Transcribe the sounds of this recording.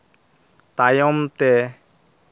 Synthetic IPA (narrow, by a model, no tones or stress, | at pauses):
t̪ajɔmt̪ɛ